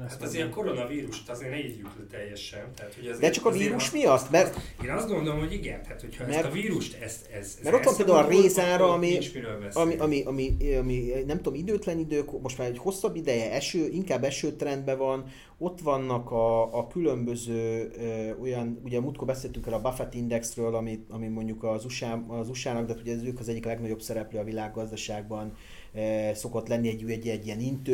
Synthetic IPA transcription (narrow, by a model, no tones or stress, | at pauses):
at̪ɒzeːɾko̞ɾonɒviːɾuʃt̪ɒzeːrnɛiɟut̪øt̪ːɛjːɛʃɛnt̪ɛat̪hoɛzd̪ɛt͡ʃɒkɒviːɾuʃmijɒt̪ːmɛrt̪eːnɒsɡo̞nd̪olomho̞ɟiɡɛ̰nt̪aːt̪hocʰhmɛrviːɾuʃt̪ɛz | ɛzmɛɾo̞ʋɒmteːld̪aulɒreːzaːɾɒːmiʃmiɾølvɛɒmiʔɒmiʔɒmiɒminɛmt̪ud̪omid̪øːt̪lɛnid̪øːkmo̞ʃtmaːɾecho̞sːɒbːid̪ɛjɛɛʃøːʔiŋkaːbːɛʃøːt̪rɛnd̪bɛvɒn | o̞t̪ʋɒnːɒkɒːkylø̞mbø̞zøːøo̞jɒnuɟɛmut̪kobɛseːlɛt̪yŋkɛlɒbafɛt̪ind̪ɛksrøːlɒmiɒmimo̞ɲɟukɒzuʃaːɒzuʃaːnɒkɡd̪ɛaːt̪uɟɛzøːkɒzɛɟːiklɛɡnɒɟo̞bsɛɾɛpløːɒvilaːɡːɒzd̪ɒʃaːɡ̚bɒn | so̞ko̞t̪lɛnːiɛɟːɛɟːiɛɟːijɛnint̪øː